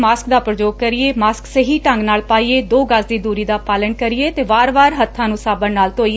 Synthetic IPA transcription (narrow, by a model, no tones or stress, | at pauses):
maːsk̚d̪aːpɾəd͡ʒoːɡ̚kəɾɪeːmaːsksəɦiːʈə̃ŋɡnaːlpaːiːeːd̪oːɡasd̪iːd̪uːɾiːd̪aːpaːlənkəɾɪeːt̪eːʋaːɾʋaːɾɦət̪ʰːãːnũːsaːbənnaːlt̪oːie